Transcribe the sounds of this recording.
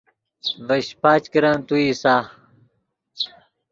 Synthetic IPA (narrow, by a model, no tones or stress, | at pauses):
vɐɕpaːt͡ɕkiɾãnt̪uisaː